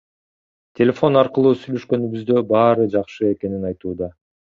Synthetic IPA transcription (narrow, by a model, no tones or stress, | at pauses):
t̪ʲʰe̞lʲe̞fo̞nɑɾqɯlˠuːsyjløʃkø̞nyβyzd̪ø̞bɑːɾɯd͡ʒɑqʃɯe̞ke̞ninɑjt̪uːd̪ɑ